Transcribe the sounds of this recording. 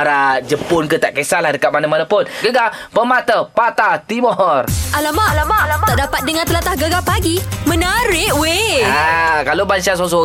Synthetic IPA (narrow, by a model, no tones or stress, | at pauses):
aɾad͡ʒəpʊnkət̪aʔkesalahdəkat̪̚manamanapʊnɡəɡapəmat̪əpat̪at̪imɔrʔalamalamalaaʔdapat̪̚dəŋant̪əlat̪ahɡəɡapaɡimə̃naɾɪʔweakalobansas̬os̬o